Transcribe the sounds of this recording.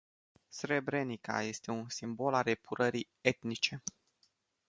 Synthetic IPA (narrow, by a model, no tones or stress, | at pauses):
sɾe̞bɾe̞nika̰je̞st̪e̞unsimbo̞lare̞puɾʔəɾi | et̪nit͡ʃe̞